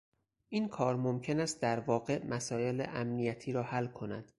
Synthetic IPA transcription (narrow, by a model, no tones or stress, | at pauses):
ʔiːnkʰɒːɾmomcʰe̞næst̪̚d̪æɾvɒːɢe̞mʔæsɒːje̞lḛʔæmnijæt̪ʰiːɾɒːhælkʰo̞næ̰d̪̥